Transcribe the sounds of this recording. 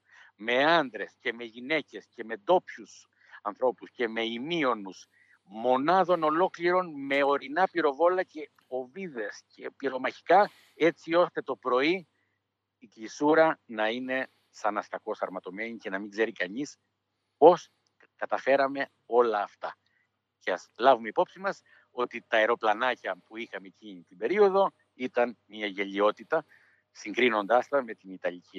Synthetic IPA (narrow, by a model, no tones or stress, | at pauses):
me̞ɐnd̪ɾe̞sce̞me̞ʝine̞ce̞sce̞me̞d̪o̞pçus | ɐnθɾo̞pusce̞me̞imio̞nus | mo̞nɐðo̞no̞lo̞kliɾo̞nme̞o̞ɾinɐpiɾo̞vo̞lɐce̞ | o̞viðe̞sce̞piɾo̞mɐçi̥kɐ | e̞t͡sio̞st̪e̞t̪o̞pɾo̞iː | kisuɾɐnɐine̞ | sɐnɐsk̪ɐko̞sɐɾmɐt̪o̞me̞ɲice̞nɐmiŋɡze̞ɾikɐɲis | po̞s | kɐt̪ɐfe̞ɾɐme̞ | o̞lɐːft̪ɐ | ceɐslɐvume̞ipo̞psimɐs | o̞t̪it̪ɐeɾo̞plɐnɐcɐpuixɐme̞ciɲit̪ibe̞ɾio̞ðo̞ | it̪ɐnmiɐʝe̞ʎio̞t̪it̪ɐ | siŋɡɾino̞nd̪ɐst̪ɐme̞t̪init̪ɐʎici